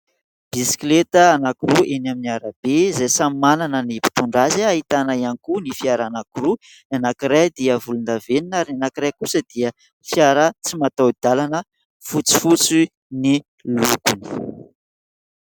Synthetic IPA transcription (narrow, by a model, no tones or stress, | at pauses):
b̥isi̥klet̪əːnakuɾuʔenaminiaɾəb̥ezajsammananənipi̥t̪uɳɖ͡ʐaziaɦit̪anaianikunifjaɾanakuɾu | nanakiɾajd̪iəvulund̪aveninaɾanakiɾajkusəd̪̥iə | fjaɾət͡simat̪awd̪alanə | fut͡si̥fut͡si | ni | lukuni̥